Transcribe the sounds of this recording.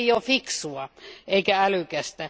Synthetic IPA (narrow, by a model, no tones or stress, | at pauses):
jjofiksuɑeikæælykæst̪æ